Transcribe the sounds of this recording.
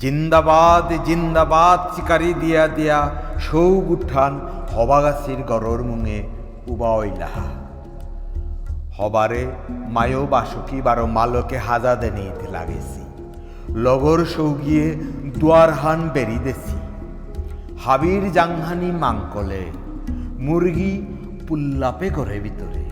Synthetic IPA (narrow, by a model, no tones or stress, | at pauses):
d͡ʑind̪abad̪d͡ʑind̪abad̪sikaɾid̪ijad̪ejaʃowɡuʈʰanhɔbaɡasʰiɾɡɔɾoɾmuŋe | ubaojla̰ɦa̰ | hɔbaɾemajobaʃukibaɾomalokeɦad͡ʑad̪enejt̪ela̰ɡḛsʰḭ | lɔɡoɾʃowɡied̪uaɾɦanbeɾid̪esʰḭ | habiɾd͡ʑaŋɦanimaŋkole | muɾɡi | pulːapekoɾebʱit̪oɾḛ